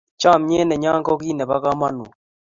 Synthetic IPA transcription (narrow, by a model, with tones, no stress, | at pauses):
t͡ʃa˦˨mɲɛ˦nɛ˨ɲa˦ŋɡɔ˦ki˦nɛ˨ba˦ka˦ma˦nṵ˨